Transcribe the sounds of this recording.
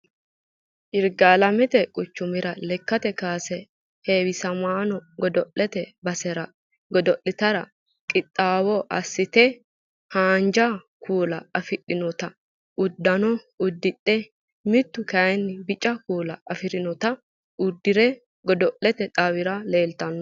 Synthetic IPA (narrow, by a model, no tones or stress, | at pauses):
ʔɪɾɡalɐmɛt̪ɛkʼʊt͡ʃːʊmɪɾɐlɛkːɐt̪ɛkaːsɛ | heːwɪsɐmaːnɔɡɔd̪ɔʔːɛt̪ɛbɐsɛɾɐ | ɡɔd̪ɔʔɪt̪ɐɾɐ | kʼɪt̪ʼːaːwɔʔɐ̰sːɪt̪ɛ | haːnd͡ʒɐ | kʰuːlɐɐfɪɗːɪnɔt̪ɐ | ʊd̪ːɐnɔ | ʊd̪ːɪtʼːɛ | mɪt̪ːʊkɐjnːɪbɪt͡ʃʼːɐkuːlɐɐfɪɾɪnɔt̪ɐ | ʊd̪ːɪɾɛ | ɡɔd̪ɔʔɛt̪ɛt̪ʼɐwɪɾɐle̞ːlt̪ɐnːɔ